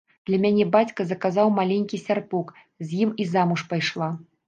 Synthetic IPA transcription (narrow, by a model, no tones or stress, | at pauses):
d̪̥lʲɐmʲanʲɛbat͡sʲkɐzɐkazawmalʲenʲkʲisʲarpuk | zʲjimizamuʂpajʂlˠa